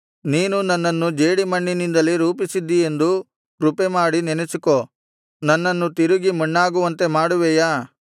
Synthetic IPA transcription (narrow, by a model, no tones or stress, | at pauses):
niːnunɐnːɐnːud͡ʒeːɽimɐɳːinind̪ɐlːiɾuːpisid̪ːie̞nd̪u | ɾupemaːɽinɛnesiko | nɐnːɐnːut̪iɾuɡimɐɳːaːɡuʋɐnt̪emaːɽuʋɛːjaː